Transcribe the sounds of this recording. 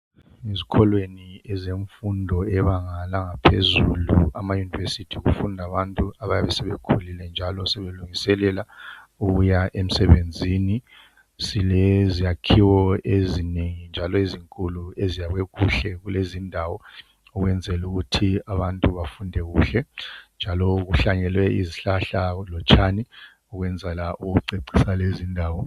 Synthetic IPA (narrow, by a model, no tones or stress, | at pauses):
izikʰɔlweniɛzeɱfundʱɔɛβaŋalaŋapʰezuluamajunivesitʰiɣufundʱaβantʼuaβajaβɛsɛβɛkʰulilɛnd͡ʒʱalɔsɛβeluŋisɛlɛla | uɣujaʔem̩sɛβend͡zʱini | silɛzijakʰiwɔezineŋind͡ʒʱalɔiziŋkʼuluezijaɣwekʰuɬɛɣulezindʱawɔ | uɣwɛnd͡zʱɛluɣutʰiaβantʼuβafundʱɛɣuːɬɛnd͡ʒʱalɔuɣuɬaɲɛlwɛḭziɬaɬalɔt͡ʃʰʼani | uɣwɛnd͡zʱɛlaʔuɣuǀeǀisalezindʱaːwɔ